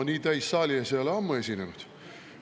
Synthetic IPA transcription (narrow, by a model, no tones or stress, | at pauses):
niːt̪æjsːɑːlʲieselɑmːue̞sʲinenud̪̥